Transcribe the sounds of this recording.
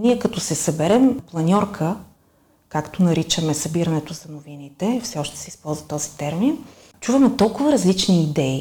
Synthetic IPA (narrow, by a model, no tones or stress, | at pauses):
niɛkɐt̪ɔsɛsɐbɛɾɛmplˠɐnʲɔɾkʰə | kakt̪onɐɾit͡ʃəmɛsɐbiɾɐnɛt̪ozɐnʊvinit̪ɛfsɛɔʃt̪ɛ̥sɛispɔlˠzvɐt̪ɔzit̪ɛɾmin | t͡ʃuvəmɛt̪ɔlˠkʊvɐɾɐzlit͡ʃniːd̪ɛi